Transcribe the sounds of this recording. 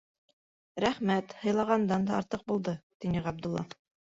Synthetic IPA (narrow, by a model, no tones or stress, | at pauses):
ɾæχmæt̪hɤ̆jlˠɑʁɑnd̪ɑnd̪ɑɑɾt̪ɤq̚bulˠd̪ɤt̪inɘʁɑb̚d̪ulːˠɑ̰